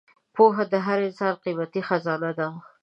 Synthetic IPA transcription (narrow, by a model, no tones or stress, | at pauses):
poɦad̪əɦaɾensɑɾqimat̪ixazɑnad̪a